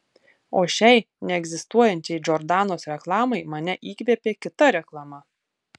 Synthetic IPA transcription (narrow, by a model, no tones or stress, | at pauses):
oːʃʲɛɪ | nʲɛɛɡzʲɪst̪uɔjɛnʲt͡ʃʲɛɪd͡ʒʲɔɾd̪ɑːnoːsɾʲɛklˠɑːmɐɪmɐnʲɛʔiːkʋʲeːpʲeːkʲɪt̪ɐɾʲɛklˠɐmɐ